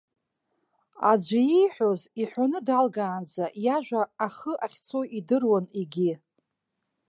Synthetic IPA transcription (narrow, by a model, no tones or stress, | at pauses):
a̰d͡ʒʷajijħʷᶣoziħʷanɨdalɡaːnd͡zajaʒᶣʷaːχəʔaχʲt͡sʰoʔidɨrwaniɡʲi